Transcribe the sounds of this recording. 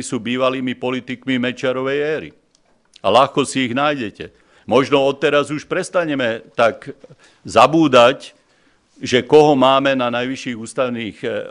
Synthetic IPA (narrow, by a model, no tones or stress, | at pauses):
isuːbiːʋaliːmipɔlit̪ikmimɛt͡ʃɪaɾɔʋɛjɛːɾḭ | alaxkɔsiiɣnaːjɟɛcɛ | mɔʒnɔɔt̪ːɛɾazuʃpɾɛst̪aɲɛmɛt̪ak | zabuːd̪ac | ʒɛkɔɦɔmaːmɛnanajʋiʃiːɣuːst̪aʊniːx